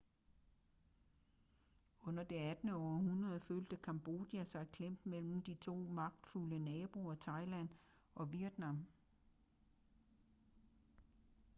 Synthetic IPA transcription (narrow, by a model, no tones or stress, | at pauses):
ɔ̽n̰ɐd̥e̝æd̥nəɒːhunʁɐðˠføːld̥əkʰɑ̈mb̥o̝d̥jæsɑ̈ɪkʰlem̰b̥mel̰m̩d̥it͡sʰo̝̰ːmɑ̈ɡ̥̚d̥fulənɛːb̥o̝ɒt͡sʰɑ̈ɪlæn̰ | ʔɒ̽ʋiɐd̥nɑ̈m